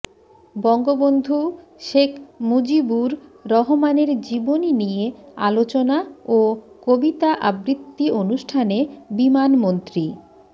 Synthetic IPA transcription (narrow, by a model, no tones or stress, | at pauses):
bɔŋɡobond̪ʱuʃekʰmod͡ʑibuɾːɔɦomaneɾd͡ʑiboninijea̰lot͡ɕonao | kobit̪aʔabɾit̪ːionuʃʈʰanebimanmont̪ɾi